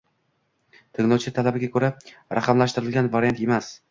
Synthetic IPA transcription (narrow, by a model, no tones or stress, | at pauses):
t̪ʰɪŋlˠɒwt͡ʃʰɪt̪ʰalabɪɡʲakʰɵɾaɾaqʰɑmlaʃt̪ɪɾɪlɡʲanvaɾijant̪e̞mas